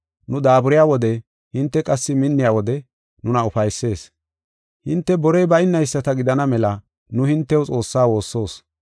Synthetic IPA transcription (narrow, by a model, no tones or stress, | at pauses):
nʊd̪aːbʊɾɪjaːwɔd̪ɛ | hɪnt̪ːɛkʼɐsːɪmɪnːɪjaːwɔd̪ɛ | nʊnɐʊfɐjsːe̞ːs | hɪnt̪ːɛbɔɾɛjbɐɪnːɐjsːɐt̪ɐɡɪd̪ɐnɐmɛlɐ | nʊhɪnt̪ːɛwt͡sʼo̞ːsːaːwo̞ːsːo̞ːs